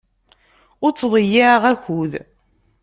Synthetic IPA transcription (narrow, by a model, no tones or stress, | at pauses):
ʊɾt͡sːðˤjːaʁæçuð